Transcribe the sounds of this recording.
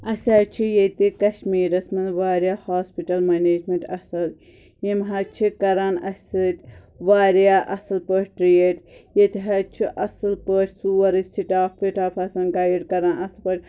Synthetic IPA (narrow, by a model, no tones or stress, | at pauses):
ɐsʲaːt͡ʃʰijet̪ikɐʃmiːɾɐsmɐnʋaːɾʲjaːhaːspiʈɐlmɐneːd͡ʒmeɳʈɐsɐl | jimɦɐt͡ʃʰikɐɾanɐsʲɨt̪ʲ | ʋaːɾjaːʔɐsɐlpəʈʲʈɾijeʈjet̪iɦɐt͡ʃʰiʔɐsɨlpəʈʲsuːɐɾɨsʲt̪ʰiʈaːfiʈaːfʰɐsɐnɡaːjiɖkɐɾaːnɐslpɐʈʲ